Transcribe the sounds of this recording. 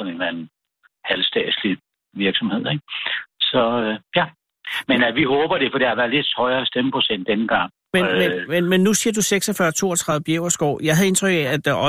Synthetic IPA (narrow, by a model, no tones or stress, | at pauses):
sɒ̽ne̝nlænn̩ | hælsd̥ɛ̰̥ːsli | ʋiɐɡ̥sɒ̽mhe̝ð̰ˠeɡ̥̚sɒ̽øjæ | menæʋiɦɔ̽ːb̥ɐɾ̥e̝fɒ̽d̥ehɑʋæɐle̝d̥hɒ̽ɪɐːsd̥eməpʰʁo̝sen̰d̥ːenəɡ̥ɑ̈ŋ̰ | menmenmenmenːusiːɐd̥useɡ̥sɒfɶɐt͡sʰo̝̰ːɐt͡sʰʁɑ̈ð̩ˠəbjeʊɐsɡ̥ɒ̰ʊ̰jɑ̈ɪɦæðˠe̝nt͡sʰʁœɡ̥ɛæd̥ʔɒ